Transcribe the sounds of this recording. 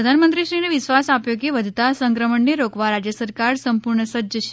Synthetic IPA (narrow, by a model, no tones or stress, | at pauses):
ɾəd̪ʱanmənt̪ɾiʃɾineʋisʋasapjokeʋəd̪ʱt̪asə̃ŋkɾəməɳneɾokʋaɾad͡ʒjəsəɾkaɾsəmpuɾɳəsəəʃe̥